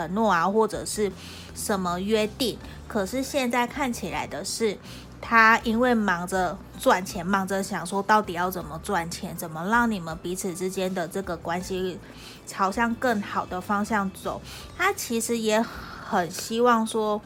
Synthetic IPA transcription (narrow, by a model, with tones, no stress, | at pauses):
ə˨˩˦nwɔ˥˩a˨xwɔ˥˩ʈ͡ʂɤ˨˩ʂɻ̩˥˩ | ʂə˧˥nmə˧ɥɛ˥t̪i˥˩ŋ | kʰɤ˨˩ʂɻ̩˥˧ɕjɛ˥˧nt͡sa˥˧ɪkʰa˥˩nt͡ɕʰi˨˩la̰˧˥ɪd̪ə˦ʂɻ̩˥˩ | t̪ʰa˥i˥nwe˥˩ɪmɑ˧˥ŋd͡zə˧ | t͡swa˨˩nt͡ɕʰjɛ˧˥nmɑ˧˥ŋd͡zə˧ɕjɑ˨˩ŋʂwɔ˥t̪ɑ˥˩ʊt̪i˨˩jɑ˥˩ʊt͡sə˨˩nmə˦t͡swa˨˩nt͡ɕʰjɛ˧˥nt͡sə˨˩nmə˦ɻɑ˥˩ŋni˨˩mə˦npi˧˥t͡s̩ʰ˨˩ʈ͡ʂɻ̩˥t͡ɕjɛ˥nd̪ə˨ʈ͡ʂɤ˥˩ɡə˩kwa˦nɕi˧˥ | t͡sʰɑ˨˩ʊɕjɑ˥˧ŋkə˥˩ŋxɑ˨˩ʊd̪ə˦fɑ˥ŋɕjɑ˥˩ŋt͡so̰˨˩˦ʊ | t̪ʰa˥t͡ɕʰi˧˥ʂɻ̩˧˥jɛ˧˥xə˨˩nɕi˥wɑ˥˩ŋʂwɔ˥